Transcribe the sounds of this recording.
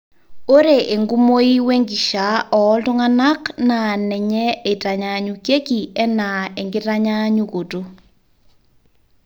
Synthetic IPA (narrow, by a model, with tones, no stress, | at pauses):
o˦ɾe˨ʔe˨ŋɡu˦mo˦i˦we˦ŋɡi˨ʃa˨ɔː˨˦lto˦ŋa˦na˦knaː˨nɛ˨ɲɛ˦e˨ta˨ɲa˨ɲu˨kje˦ki˨ɛ˦na˨e˨ŋɡe˦ta˦ɲa˦ɲu˦ɣo˨to˦